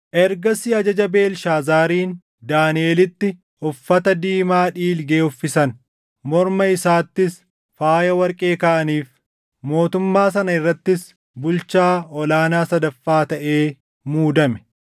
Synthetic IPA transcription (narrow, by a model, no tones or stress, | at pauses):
ʔɛɾɡɐsɪɐd͡ʒɐd͡ʒɐbe̞ːlʃaːzaːɾiːn | d̪aːnɪeːlɪt̪ːɪ | ʊfːɐt̪ɐd̪iːmaːᶑiːlɡe̞ːʊfːɪsɐn | mɔɾmɐɪsaːt̪ːɪs | faːjɐwɐɾkʼe̞ːkɐʔɐniːf | mo̞ːt̪ʊmːaːs̬ɐnɐɪrːɐt̪ːɪs | bʊlt͡ʃaːɔlaːnaːsɐd̪ɐfːaːt̪ɐʔe̞ː | muːd̪ɐmɛ̥